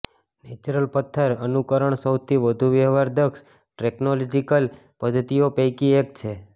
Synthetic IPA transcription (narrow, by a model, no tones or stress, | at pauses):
net͡ʃuɾəlpət̪ʰːəɾənukəɾəɳsəwt̪ʰiʋəd̪ʱuʋjəɦʋaɾd̪əks | ʈeknolɔd͡ʒikəl | pəd̪ʱt̪iopəjkiek̚t͡ʃʰe